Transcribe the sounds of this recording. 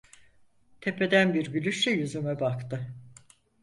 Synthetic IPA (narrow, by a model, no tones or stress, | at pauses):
t̪ʰe̞pʰe̞d̪ænbiɾɟylʲyʃɛjuzymɛbakt̪ɯ